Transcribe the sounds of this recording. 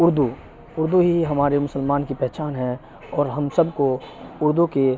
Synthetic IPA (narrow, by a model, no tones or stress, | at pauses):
ʊɾd̪u | ʊɾd̪uɦiɦɐmaːɾemʊsəlmaːnkipɛɦt͡ʃaːnɦɛ̃ | ɔːɾɦɐmsɐbkoʊɾd̪uke